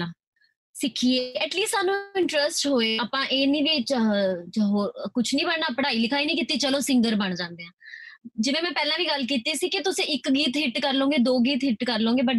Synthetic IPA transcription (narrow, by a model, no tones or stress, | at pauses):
ãː | sɪkʰieːɛːʈliːst̪saːnũːɪ̃ɳʈɾəsʈɦoːeːaːpãːʔeːnĩːʋit͡ʃ | ɦoːɾkʊt͡ʃʰnĩːbəɳnaːpəɽaːiːlɪkʰaːiːnĩːkɪt̪ːiːt͡ʃəloːsɪ̃ŋɡəɾbəɳ̃d͡ʒãːnd̪eːãːd͡ʒɪʋẽːmɛ̃ːpɛːlãːʋiːɡəlk̬iːt̪iːsiːkɪt̪ʊsẽːʔɪkɡiːt̪ɦɪʈkəɾlõːɡeːd̪oːɡiːt̪ɦɪʈkəɾlõːɡeːbəɖ